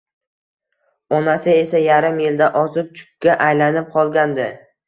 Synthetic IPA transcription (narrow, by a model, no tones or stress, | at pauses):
ɒnasɪe̞sajaɾɪmjɪld̪aʔɒzɪp̚t͡ʃʰʊ̥kʲːaʔajlanɪp̚qʰɒlˠɡʲand̪ɪ